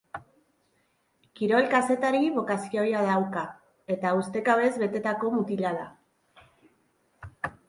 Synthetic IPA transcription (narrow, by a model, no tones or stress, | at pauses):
kiɾo̞lkase̞t̪aɾiβo̞kasio̞jaðawka | e̞t̪aust̪e̞kaβe̞zβe̞t̪e̞t̪ako̞mut̪ilaða